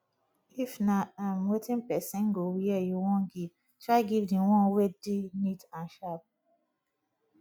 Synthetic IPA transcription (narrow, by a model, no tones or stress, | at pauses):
ifnaãmwetĩnpɛsɛ̃nɡowiɛjuwɔ̃nɡiv | tʰɹaɪɡivdiwɔ̃nwedinitãnʃap̚